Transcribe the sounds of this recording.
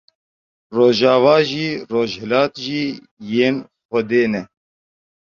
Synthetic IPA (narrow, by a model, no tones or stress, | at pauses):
roːʒaːvaːʒiːroːʒhɛlaːt̪ʒiː | jeːnxɛd̪eːnɛ